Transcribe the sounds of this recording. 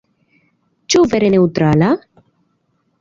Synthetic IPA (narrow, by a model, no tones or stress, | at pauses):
t͡ʃuvɛɾɛnɛwt̪ɾala